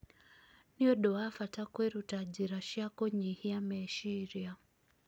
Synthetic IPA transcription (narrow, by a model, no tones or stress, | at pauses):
niɔɗɔafatakwɛɾutad͡ʒiɾaʃjakɔɲihiamɛʃiɾia